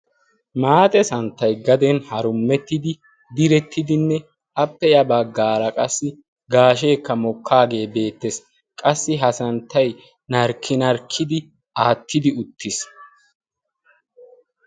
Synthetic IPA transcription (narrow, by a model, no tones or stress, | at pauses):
maːt̪ʼɛsɐnt̪ːɐjɡɐd̪ɛnhɐɾʊmːɛt̪ːɪd̪ɪ | d̪ɪɾɛt̪ʰːɪd̪ɪnːɛ | ɐpːɛjɐbɐɡːaːɾɐkʼɐsːɪ | ɡaːʃeːkːɐmɔkʰːaːɡe̞ːbe̞ːt̪ːɛs | kʼɐsːɪɦɐsɐnt̪ːɐj | nɐɾkʰːɪnɐɾkʰːɪd̪ɪ | aːt̪ʰːɪd̪ɪʊt̪ʰːɪs